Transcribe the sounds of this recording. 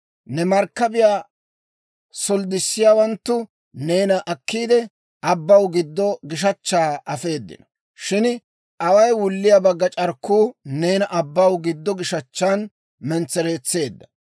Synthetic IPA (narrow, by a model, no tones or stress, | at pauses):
nɛmɐɾkːɐbɪjaː | sɔld̪ɪsːɪjaːwɐnt̪ːʊ | ne̞ːnɐʔɐkːiːd̪ɛ | ʔɐbːɐwɡɪd̪ːɔɡɪʃ̬ɐt͡ʃːaːɐfe̞ːd̪ːɪ̰nɐ | ʃɪn | ʔɐwɐjwʊlːɪjabɐɡːɐt͡ʃʼɐɾkːuːne̞ːnɐʔɐbːɐwɡɪd̪ːɔɡɪʃɐt͡ʃːaːn | mɛnt͡sːɛɾe̞ːt͡sːe̞ːd̪ːɐ̥